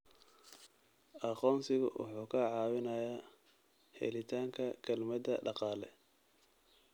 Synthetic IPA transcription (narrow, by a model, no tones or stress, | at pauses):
ʔɑqɔːnsɪɣʊ̰wʔʊ̰ħuːkʰɐʕɑːwɪnɐja | hɛ̰lɪt̪ʰaːŋkʰɐkʰɐlmɐd̪ɐɖɑqɑːlɛ̰